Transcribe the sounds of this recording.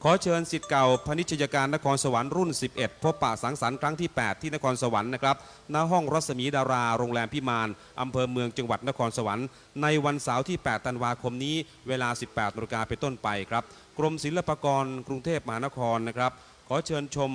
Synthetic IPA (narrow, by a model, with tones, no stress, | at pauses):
kʰɔː˩˦˥t͡ɕʰɤː˧nsi˨˩t̪̚ka˨˩wpʰa˧ni˦˥t̪̚ʰːa˧jaː˧kaː˧nːa˦˥kʰɔː˧nsa˧wa˩˦nɾu˥˩nsi˨˩p̚ʔe˨˩t̪̚pʰo˦˥pːa̰˨˩sa˨˩˦nsa˩˦nkʰɾa˦˥ŋt̪ʰiː˥˩pɛː˨˩t̪ʰːiː˥˩na˦˥kʰɔː˧nsa˧wa˩˦nːa˦˥kʰɾa˦˥p̚ | naː˧˥ɦɔ˥˩ŋɾa˦˥t̪̚sa˧miː˩˦daː˧ɾaː˧ɾoː˧ŋlɛː˧mpʰi˦˥maː˧n | ʔa˧mpʰɤː˧mɯ˧əŋt͡ɕa˧ŋwa˨˩t̪̚na˦˥kʰɔː˧nsa˧wa˩˦nː | a˧jwa˧nsaː˩˦wt̪ʰiː˥˩pɛː˨˩t̪ʰːa˧nwaː˧kʰo˧mniː˦˥ | weː˧laː˧si˨˩pːɛː˨˩t̪̚naː˧ɾi˧kaː˧pe˧nt̪o˥˩npa˧jkʰɾa˦˥p̚ | kɾo˧msi˨˩˦nla˧paː˧kɔː˧nkɾu˧ŋt̪ʰeː˥˩p̚ma˧haː˩˦na˦˥kʰɔː˧nːa˦˥kʰɾa˦˥p̚ | kʰɔː˩˦˥t͡ɕʰɤː˧nt͡ɕʰo˧m